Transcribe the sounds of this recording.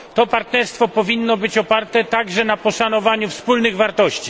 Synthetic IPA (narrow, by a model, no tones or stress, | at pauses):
t̪ɔpaɾt̪nɛɾst̪fɔpɔvʲinːɔbɘt͡ɕɔpaɾt̪ɛt̪aɡʐɛnapɔʂanɔvaɲufspulnɘɣvaɾt̪ɔɕt͡ɕi̥